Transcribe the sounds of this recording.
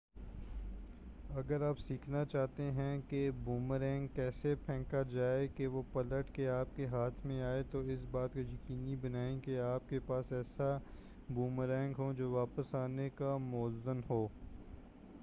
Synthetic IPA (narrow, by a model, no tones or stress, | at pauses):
ɐɡəɾaːpsiːkʰnat͡ʃaːɦt̪eɦɛ̃kebuːmɾɛ̃ːŋɡkːɛːsepʰɛ̃ːkad͡ʒaːekeʋopɐləʈkeaːp̚keɦaːt̪ʰmẽaːet̪oɪsbaːt̪kojɐkiːnibɐnaːẽkeaːp̚kepaːsɛːsa | buːmɾɛ̃ːŋɡɦod͡ʒoːʋaːpəsaːnekamɔːəzːənɦoː